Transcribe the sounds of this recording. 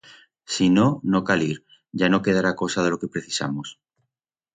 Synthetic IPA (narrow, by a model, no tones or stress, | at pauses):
sinonokaliɾ | ʝanokeð̞aɾako̞sað̞elo̞ke̞pɾeθisa̰mos